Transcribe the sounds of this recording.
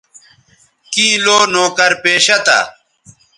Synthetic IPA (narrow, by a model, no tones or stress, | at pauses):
kĩːloːnoːkɐɾpeːɕɐt̪a̰